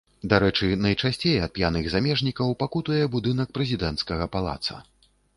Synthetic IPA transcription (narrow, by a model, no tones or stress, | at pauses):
d̪aɾɛt͡ʂɨnɐjt͡ʂasʲt͡sʲejɐt̪̚pʲjanɨɣzamʲɛʐnʲikɐwpakut̪ɐjɛbud̪ɨnɐk̚pɾɛzʲid̪ɛnt̪skɐɣɐpalˠa̰t̪sɐ̰